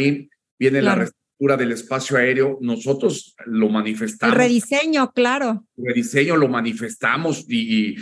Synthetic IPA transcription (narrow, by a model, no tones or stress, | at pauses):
in | bje̞nelarest̪ɾuk̚t̪uɾaðe̞le̞spasjoae̞ɾeo̞no̞so̞t̪ɾo̞slo̞manife̞st̪alreðiseɲoklaɾoreðise̞ɲo̞lo̞manife̞st̪amo̞siː